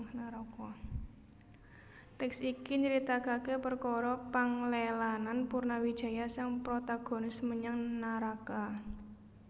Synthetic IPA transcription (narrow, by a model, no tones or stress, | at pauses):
naɾɔkɔ | t̪ɛksikiɲəɾit̪aɡ̥a̤kepərkɔɾɔpaŋlelananpurnawi̥d̪̥a̤jasaŋpɾot̪aɡ̥o̤nɪsməɲaŋnaɾaka